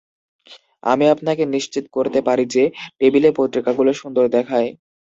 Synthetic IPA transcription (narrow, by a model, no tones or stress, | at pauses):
a̰miapnakeniʃt͡ɕit̪koɾt̪epaɾid͡ʑepebileɾpot̪ɾikaɡuloʃund̪oɾd̪ɛkʰaj